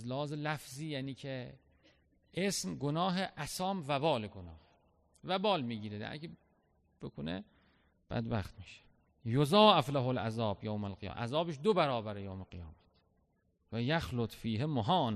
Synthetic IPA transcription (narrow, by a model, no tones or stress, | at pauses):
zlehɒːzelæfziːjæːniːkʰe | ʔesmɡonɒːɦeʔæsɒːmvæbɒːleɡonɒːh | væbɒːlmiːɟiːɾed̪æ̰ɾkʰe | b̥ekʰonḛ | b̥æ̰d̪bæ̰xt̪miʃe̥ | jozɑːʔeflaɦolʔæzɒːbjowmælqij̰mʔæ̰zɒːbeʃd̪obæɾɒːbæɾejoːwmeɡijɒːmæt̪ʰ | væjæxlot̪ʰfiːɦemoɦɒːn